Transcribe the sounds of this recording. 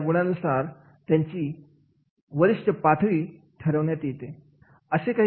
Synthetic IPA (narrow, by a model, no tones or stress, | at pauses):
ɡuɽ̃ãnusaɾ | t̪jãɲt͡ɕiː | ʋəɾiɕt͡ɕəpat̪ʰʋiː | ʈʰəɾəʋnjat̪jet̪e | əsekaɦ